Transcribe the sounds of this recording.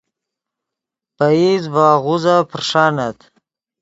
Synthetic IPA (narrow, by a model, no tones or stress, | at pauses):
paizvɑːɣuzapɾʂaːnat̪